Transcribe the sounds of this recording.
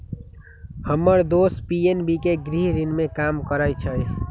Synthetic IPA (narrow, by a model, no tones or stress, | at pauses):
həmːəɾd̪ospienbikeɡɾiɦɾinmekamkəɾəjt͡ʃʰə